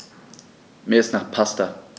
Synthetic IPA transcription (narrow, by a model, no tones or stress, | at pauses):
mɛsnaχpʰasta